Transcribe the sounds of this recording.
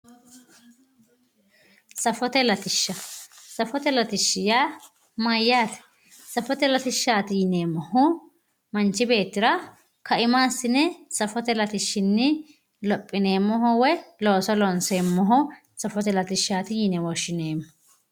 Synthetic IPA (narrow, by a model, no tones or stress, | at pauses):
sɐfɔt̪ɛlɐt̪ɪʃːɐsɐfɔt̪ɛlɐt̪ɪʃːɪjaː | mɐjːaːt̪ɛ̥ | sɐfɔt̪ɛlɐt̪ɪʃːaːt̪ɪjɪneːmːɔhʊ | mɐnt͡ʃːɪbe̞ːt̪ːɪɾɐ | kɐɪmaːsːɪnɛsɐfɔt̪ɛlɐt̪ɪʃːɪnːɪ | lɔpʼːɪneːmːɔɦɔwɛlo̞ːsɔlɔnseːmːɔɦʊ | sɐfɔt̪ɛlɐt̪ɪʃːaːt̪ɪjɪnɛwɔʃːɪne̞ːmːɔ